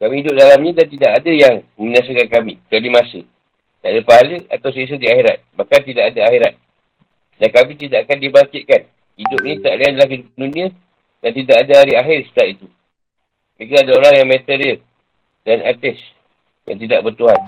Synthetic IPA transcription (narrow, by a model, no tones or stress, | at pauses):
kamiidʊp̚dalamɲadant̪idaʔadajaŋ | məɲas̬əkankamik̪aʔlimasḭ | da̰ʔdapaɦaləa̰t̪aws̬əis̬ədiaheɾat̪̚bahkant̪idaʔadaaxiɾat̪̚ | dankamit̪idaʔakandibaŋkɪt̪̚kan | idʊp̚init̪aʔlianlahidupdunĩa | dant̪idaʔadaɦaɾiaɦɪrsə̥t̪aʔ̪it̪u | mikaadaoɾaŋjaŋmet̪eɾiə | danat̪ɛs | ja̰ŋt̪̬idaʔbərt̪uɦan